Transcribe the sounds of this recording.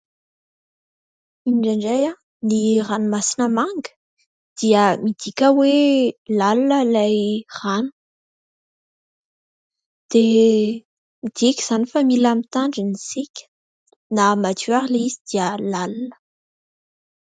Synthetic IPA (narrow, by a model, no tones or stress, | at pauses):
iɖ͡ʐaɳɖ͡ʐaja | niranumasinəmaŋɡə̥ | d̪̥iəmid̪̥ikʲəwelalunəlajranu̥ | d̪̥e | mid̪̥ikʲiz̥anifamilamit̪aɳɖ͡ʐinisikʲə̥ | namat̪yaʁileizid̪̥iəlalunə̥